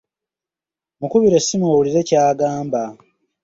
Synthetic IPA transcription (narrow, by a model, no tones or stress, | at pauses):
mukuβiɾesːimowuliɾe̞caːɡaːmba